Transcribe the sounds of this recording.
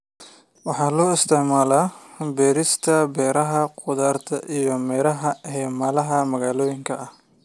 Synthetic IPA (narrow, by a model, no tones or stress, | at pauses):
wɑħɑːlɔːɪst̪ʰɪʕmaːlaːbɛːɾɪst̪ʰɐbɛːɾɐɦɐqʊðaːrt̪ʰɐʔijɔmɛːɾɐɦɐɦɛːmaːlɐɦɐmɐɣaːlɔːjɪŋkʰɐɐh